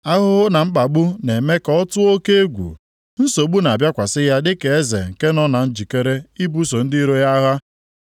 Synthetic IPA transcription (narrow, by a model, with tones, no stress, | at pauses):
a˦ɦʊ˦ɣʊ˦na˨ŋ͡m̩˦k͡pa˨ɡ͡bu˦ne˨me˦kɔ˦tʊ˦o˦ke˦e˦ɡʷṵ˨ | n̩˦so˨ɡ͡bu˦na˨a˨bja˦kʷa˨sɪ˦ja˦dɪ˦ke˨e˦zḛ˨ŋ̩˨ke˦nɔ˦na˨n̩˦d͡ʒi˨ke˦ɾe˦i˦bu˦so˨n̩˦dɪ˦i˦ɾo˦ja˦ɦa˦